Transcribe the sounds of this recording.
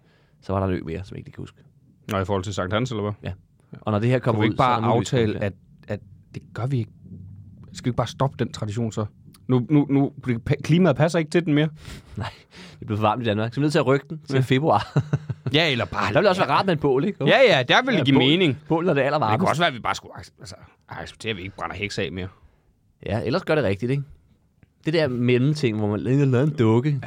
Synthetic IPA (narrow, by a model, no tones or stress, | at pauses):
sɒ̽ʋɑ̈ɾɑ̈nø̰me̝ːɐsɒmje̝ɡ̥i̥kʰæhṵsɡ̥ | nɔifɔːɒlt͡sʰe̝sɑ̈ŋ̰d̥hænselɐʋæjæ | ʔɒ̽nɒd̥e̝eɐkʰɒ̽mɐieð̰̥ˠbɑ̈nüʊt͡sʰɛ̰ːlæd̥ | æ̥d̥e̝ɡ̥ɶɐʋieɡ̥ | isɡ̥æeɡ̥̚b̥ɑːsd̥ɒ̽b̥əd̥ent͡sʰʁɑ̈d̥iɕo̝̰ːnsɒnununud̥ekʰliːmæð̩ˠpʰæsɐe̝ɡ̥ət͡sʰe̝dn̩me̝ːɐnɑ̈ɪ̰ | d̥e̝b̥le̝ʊfɒʋɑ̈ːml̩ˠid̥ænmɑ̈ːɡ̥sɒmneð̰ˠt͡sʰe̝æʁœɡ̥̚d̥n̩t͡sʰe̝lfe̝b̥ʁuɑ̰̈ːjæelɐb̥ɑdɑ̈eld̥eɒsʋæːɐʁɑ̈ːd̥meenb̥ɔ̰ːleɡ̥jæjæd̥eæɐʋelɡimeːne̝ŋb̥ɔ̰ːln̩æd̥eæl̰ɐʋɑ̥̈ːmkʰɒsʋæːɐʋib̥ɑ̈ːsɡ̥uælsə̥ | ɑ̥̈se̥b̥̚t͡sʰe̝ːɐʋie̝ɡ̥əb̥ʁɑ̈nɐheɡ̥sɛ̰ɪme̝ːɐ | jæʔel̰ɐsɡ̥ɶɐɾe̝ʁɛɡ̥̚d̥id̥e̝ɡ̥ | d̥e̝d̥eɐmelm̩t͡sʰe̝ŋ̰ʋɒmænlelɛːð̩ˠend̥ɔ̽ɡ̥ə